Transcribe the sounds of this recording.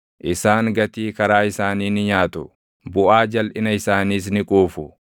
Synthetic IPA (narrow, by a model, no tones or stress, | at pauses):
ʔɪsaːŋɡɐt̪iːkɐɾaːɪsaːniːnɪɲaːt̪ʊ | bʊʔaːd͡ʒɐlʔɪnɐɪsaːniːs̬nɪkʼuːfʊ